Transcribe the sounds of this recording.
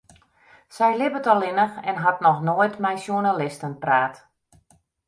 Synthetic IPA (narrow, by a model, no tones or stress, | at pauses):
sɛjlɪbətɔlˠɪnəxɛnɦatnɔxnoəjtmɛjsjunalɪstənpraːt